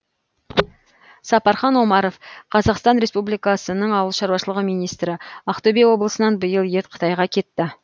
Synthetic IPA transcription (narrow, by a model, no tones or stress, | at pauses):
sɑpɑɾχɑnwo̞mɑɾofqʰɑzɑqst̪ɑnɾe̞spublijkɑsənəɴɑwəlˠʃɑɾwɑʃəlˠəʁəmijnijst̪ɾɪɑqt̪obewo̞blˠəsənɑnbəjəlˠjet̪qʰə̥t̪ɑjʁɑkʲʰe̞t̪ːɪ